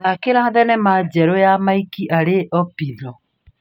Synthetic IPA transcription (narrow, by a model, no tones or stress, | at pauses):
nakeɾaðɛnɛmad͡ʒɛɾɔjamaikiʔaɾeʔɔpinɔ